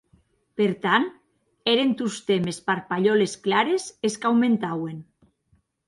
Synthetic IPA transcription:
peɾt̪an | eɾent̪ust̪emespaɾpaʎolesklaɾeseskawmẽnt̪awen

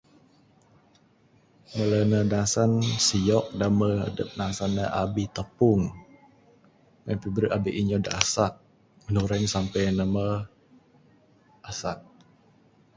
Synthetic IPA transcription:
mələnənasansijɔk̚daməhə̰dəp̚nasanːəʔabit̪əpʊŋ | məmpibəɾəʔabiʔiɲɔdəasat̪̚ | mənuɾaɲsampɛjnəmə | ʔasat̪̚

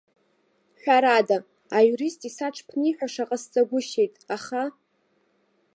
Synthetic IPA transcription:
ħʷᶣaɾadaː | juɾistʼisaʈ͡ʂʰpʰniħᶣaʂaqʼast͡sʼaɡʷʊʃe̞jtʼaχa

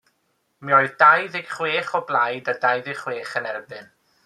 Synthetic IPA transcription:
miɔɨðdajðɪɡ̥χweːχɔblˠajdadajðɪ̥χweːχənɛrbɨn

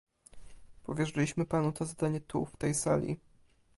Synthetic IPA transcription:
pɔvʲjɛʐɘlʲiɕmɘpanut̪ɔzad̪aɲɛt̪ʰṵft̪ɛjsalʲḭ

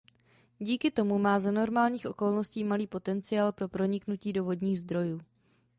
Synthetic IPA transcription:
ɟiːkɪt̪o̞mumaːzano̞ɾmaːlɲiːxʔo̞ko̞lnosciːmaliːpo̞t̪ɛnt͡sɪaːlpɾo̞pɾo̞ɲɪknuciːdovo̞dɲiːɣzd̪ɾo̞juː

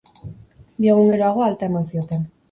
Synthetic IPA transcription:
b̪ieɣ̞uŋɡeɾoaɣ̞o̞alt̪eɾnasio̞t̪en

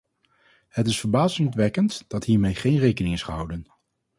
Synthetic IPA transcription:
hətɪsfəɹbaːzɪŋtʋɛkəntd̥ɑtɦiːɹmejχejnrejkənɪŋɪsχəɦʌ̰wdən

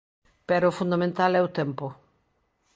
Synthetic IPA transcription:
pɛɾʊfund̪amẽnt̪alɛʊt̪ɛmpʊ

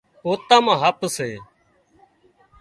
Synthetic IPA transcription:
oːt̪ãːmãːɦəpseː

